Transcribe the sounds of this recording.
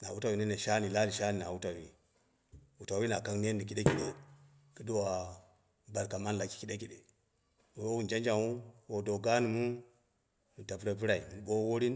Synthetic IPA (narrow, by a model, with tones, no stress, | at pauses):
na˨wu˦ta˨wi˨ne˦ne˨ʃa˦ni˨la˦li˨ʃa˦ni˨na˨wu˦ta˨wi˨ | wu˨ta˨wi˦na˨ka˦ŋne˦nːi˨ki˦ɗe˦ki˨ɗḛ˨ | kə˦do˦wa˨ | ba˨lka˨ma˦n˦la˨ki̥˨ki˦ɗe˦ki˨ɗe˨ | wo˨wo˦wu˦˨nd͡ʒa˦nd͡ʒa˨u˦wo˨do˨ɡa˦ni˨mu˦ | ni˨ta˨pɾo˨pi˦ɾa˨i˨mi˨n˨ɓo˦wo˦ɾi˦n